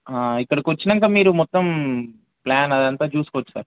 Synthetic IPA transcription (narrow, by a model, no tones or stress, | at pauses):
aːikːɐɽɐkʋɐt͡ʃːinɐŋkaːmiːɾumɔt̪ːɐm | plaːnɐd̪ɐnt̪aːt͡ʃuːsukɔʋɐt͡ʃːu̥sa̰ːɾ